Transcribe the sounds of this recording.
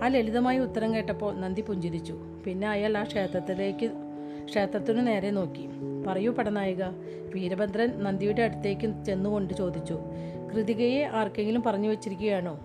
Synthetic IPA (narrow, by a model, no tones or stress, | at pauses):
aːleliðɐmaːjiut̪ːɐɾɐmke̞ːʈːɐpːo̞ːnɐnd̪ipuɲd͡ʑiɾit͡ɕːu | pinːe̞ɐjaːlaːʂeːt̪rɐt̪ːileːkːɨ | ʂe̞ːt̪rɐt̪ːinɨne̞ːɾe̞no̞ːkːi | pɐrɐjupɐɽɐnaːjuɣɐ | ʋiːɾɐbɐnd̪ʱɾɐnnɐnd̪ijuɽeɐɽut̪ːe̞ːkʲːɨt͡ɕe̞nːuɣo̞ɳɖɨt͡ɕo̞ːd̪ʱit͡ɕːu | krɨðiɣɐjeʔaːrkːe̞ŋɡilumpɐrɐɲːuʋet͡ɕːiɾikʲːuɣɐjaːɳoː